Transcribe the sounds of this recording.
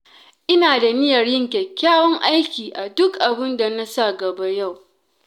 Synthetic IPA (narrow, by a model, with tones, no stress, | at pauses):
ʔɪ˦naː˨da˨nɪ˦jɐ˨rjɪ˦˨ŋkʲɛ˨kʲːaː˦wɔ˦ŋʔa˦jkʲiː˨ʔa˨dʊ˦kʔa˨bɪ˦nda˨na˦sa˦ɡɐ˨ba˦ja˦˨w